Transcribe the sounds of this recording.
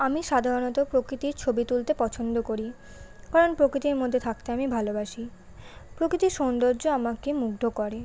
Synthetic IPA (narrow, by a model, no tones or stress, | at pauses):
amiʃad̪ʱaɾonɔt̪opɾokɾit̪iɾt͡ɕʰobit̪ult̪epɔt͡ɕʰond̪okoɾi | kaɾonpɾokɾit̪iɾmod̪ʱːet̪ʰak̚t̪eamibʱalobaʃi | pɾokɾit̪iɾʃond̪oɾd͡ʑoamakemuɡd̪ʱokɔɾe